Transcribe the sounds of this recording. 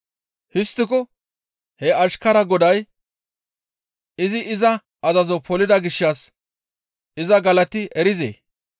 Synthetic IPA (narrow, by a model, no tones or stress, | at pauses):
hɪst̪ːɪk̬ɔ | hɛɐʃkɐɾɐɡɔd̪ɐj | ɪzɪʔɪzɐ | ʔɐzɐzɔpʰɔlɪd̪ɐɡɪʃːɐs | ɪzɐɡɐlɐt̪ɪʔɛɾɪzḛː